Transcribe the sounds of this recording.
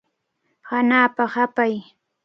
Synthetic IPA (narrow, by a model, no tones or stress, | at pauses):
hanaːpaχapaj